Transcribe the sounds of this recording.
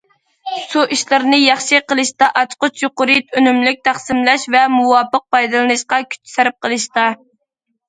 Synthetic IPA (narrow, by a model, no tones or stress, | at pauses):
suʔiʃlˠɨɾɨnɨjɑχʃɨqəlˠɨʃt̪ɑʔɑt͡ʃqʊt͡ʃjoqʊɾɨt̪ʰønymlyk̚ʲt̪ʰæχsɨmlɛʃvɛmuwɑːpəq̚pɑjd̪ɨlˠɨnɨʃqɑkʲʰy̥t͡ʃʰi̥sæɾɪp̚qʰəlˠɨʃt̪ɑ